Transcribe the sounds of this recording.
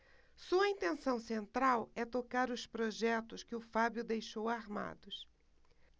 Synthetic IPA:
suɐĩnt̪ẽsɐ̃w̃sẽnt̪ɾawɛt̪okaɾʊspɾoʒɛt̪ʊskɪʊfabjʊd̪ejʃowaɾma̰d̪ʊs

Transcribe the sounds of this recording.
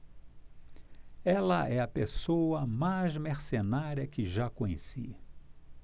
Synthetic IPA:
ɛlɐʔɛɐpesoɐmajzmeɾsenaɾjɐkɪʒakõɲḛsi

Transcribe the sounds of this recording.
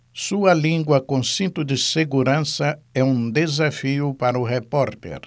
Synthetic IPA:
suɐlĩŋɡwɐkõsĩnt̪ʊd̪ɪseɡuɾɐ̃sɐɛũd̪ezafiʊpaɾʊɦepɔɾt̪ḛɾ

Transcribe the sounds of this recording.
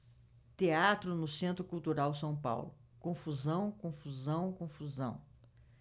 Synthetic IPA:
t̪eat̪ɾʊnʊsẽnt̪ɾʊkuwt̪uɾawsɐ̃w̃pa̰wlʊkõfuzɐ̃w̃kõfuzɐ̃w̃kõfuzɐ̰̃w̃

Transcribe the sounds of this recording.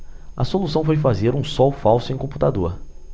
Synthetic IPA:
ɐ̰solusɐ̃w̃fojfazeɾũsɔwfawsʊẽj̃kõput̪ad̪oɾ

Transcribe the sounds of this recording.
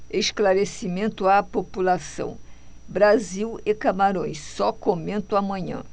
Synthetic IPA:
eʃklaɾesimẽnt̪ʊapopulasɐ̰̃w̃bɾaziwekamaɾõj̃ssɔkomẽnt̪õamɐ̃ɲɐ̰̃

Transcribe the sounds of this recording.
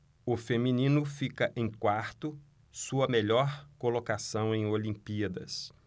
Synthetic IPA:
ʊfemĩnĩnʊfikɐʔẽj̃kwaɾt̪ʊ | suɐmeʎɔɾkolokasɐ̃w̃ẽj̃olĩmpiɐd̪ɐ̰s

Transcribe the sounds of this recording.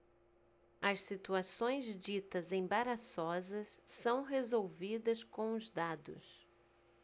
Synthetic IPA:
ɐssit̪uasõj̃zd͡ʒit̪ɐzẽj̃baɾasɔzɐssɐ̃w̃ɦezowvid̪ɐskõw̃ʊzd̪ad̪ʊ̰s

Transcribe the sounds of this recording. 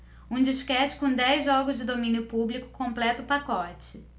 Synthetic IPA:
ũd͡ʒiʃkɛt͡ʃɪ̥kõw̃d̪ɛjzʒɔɡʊzd͡ʒɪd̪omĩnjʊpublikʊ̥kõmplɛt̪ʊpakɔt͡ʃɪ

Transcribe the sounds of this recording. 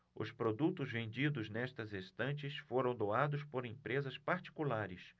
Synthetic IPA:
ʊ̰spɾod̪ut̪ʊzvẽnd͡ʒid̪ʊznɛst̪ɐzest̪ɐ̃nt͡ʃɪsfoɾɐ̃w̃d̪oad̪ʊspoɾẽpɾezɐspaɾt͡ʃi̥kulaɾɪs

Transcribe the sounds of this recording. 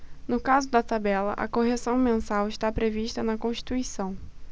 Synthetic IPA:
nʊkazʊd̪ɐt̪abɛlɐ̰ʔɐ̰koɦesɐ̃w̃mẽsawɪʃt̪apɾeviʃt̪ɐnɐkõʃt͡ʃi̥t̪uisɐ̃w̃

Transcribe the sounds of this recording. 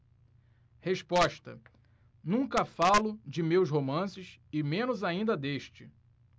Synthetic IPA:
heʃpɔʃt̪ɐ | nũŋkɐfalʊd͡ʒɪmewsɦomɐ̃sɪʃɪmẽnʊzaĩnd̪ɐd̪eʃt͡ʃɪ

